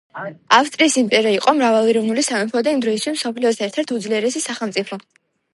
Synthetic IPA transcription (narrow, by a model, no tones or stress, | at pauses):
afst̪ʼɾiːsimpʼɛɾaiqʼɔmɾavalˠiɾɔvnulisamɛmpʰɔd̪aimd̪ɾɔist̪ʰwismsɔpʰliɔsʰɛɾt̪ʰɛɾt̪ʰud̪zliɛɾɛsisaχɛlˠmt̪sʼipʰɔ